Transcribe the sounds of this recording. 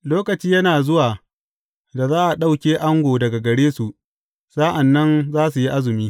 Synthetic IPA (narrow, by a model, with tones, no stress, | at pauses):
loː˦kɐ˨t͡ʃiː˦jɐ˦naː˨zʊ˦waː˨ | da˨zaː˦ʔa˨ɗa˦wkʲeː˦ʔa˦ŋɡʷoː˨dɐ˨ɡa˨ɡɐ˨ɽeː˦su˨ʔ | saː˦ʔa˨nːɐ˦nzaː˦su˨ji˦ʔa˦zʊ˨miː˦